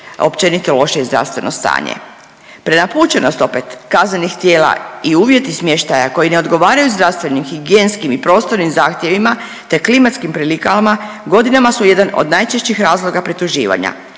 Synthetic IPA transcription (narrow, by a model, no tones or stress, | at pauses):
o̞̰pt͡ʃe̞nit̪ilo̞ʃezd̪ɾa̰ʋst̪ʋe̞̰no̰st̪a̰ːɲḛ | pɾenapuːt͡ɕe̞nost̪o̞pet̪kazne̞nixt̪jeːla̰iuːʋje̞t̪ismje̞ʃt̪ajako̞jine̞od̪ɡo̞ʋaːɾajuzd̪ɾaʋst̪ʋe̞nimxiɡijeːnskimipɾo̞ːst̪o̞ɾnimzaːxt̪je̞ʋima | t̪e̞klimat̪skimpɾilikalma | ɡo̞d̪inamasuje̞d̪ano̰d̪najt͡ʃeʃt͡ɕixɾaːzlˠo̞ɡapɾit̪uʒḭːʋa̰ɲa̰